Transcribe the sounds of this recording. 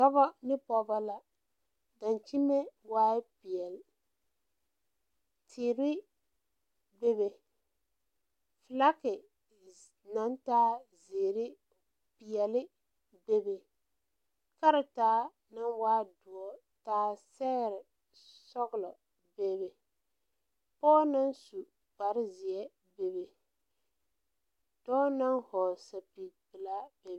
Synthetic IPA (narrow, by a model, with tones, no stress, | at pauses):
sɔ˦bɔ˦nɪ˦pɔ˨ba˦la˨ | da˨nt͡ʃi˦me˦waː˦ɪ˦pi˨ɛ˨l | tʰɪː˨ɾɪ˦ | be˦βe˨ | fla˦kɪ˨ | na˨˦ntaː˦zeː˨ɾɪ˦ | pi˨ɛ˨lɪ˦ | be˦be˨ | ka˦ɾɪ˨taː˦ | na˦nwaː˦dʊ˨ɔ˦ | taː˦sɛ˦ɣɾɪ˨ | sɔ˦ɣʊ˨lɔ˨ | be˦be˨ | pɔː˦na˦nsu˨ | k͡pa˨ɾɪ˦zɪ˨ɛ˦ | be˨be˨ | d̥ɔː˦na˦ŋhɔ˨sa˨pi˨bɨ˨la˦be˨